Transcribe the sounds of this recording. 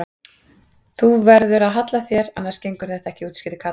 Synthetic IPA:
θuvɛɾðʏɾaðɦat̪laθjɛɾanːaɾ̥scejŋkʏɾ̥θɛht̪aɛhcɪuːt̪scɪːt̪ɪkʰaː

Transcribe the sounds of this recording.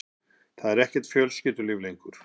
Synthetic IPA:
θaðɛɾɛhcɛɾ̥t̪fjœːlscɪːt̪ʏlɪvlejŋkʏɾ̥

